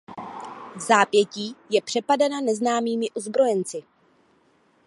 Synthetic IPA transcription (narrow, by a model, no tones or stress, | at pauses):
vzaːpjɛciːjɛpr̝̥ɛpadananɛznaːmiːmɪʔozbɾo̞jɛnt͡sɪ